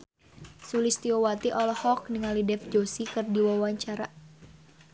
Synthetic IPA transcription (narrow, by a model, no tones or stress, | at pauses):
sulist̪iowat̪iʔɔlɔhɔk̚niŋalidɛfd͡ʒosikɨrdiwawaɲt͡ʃaɾa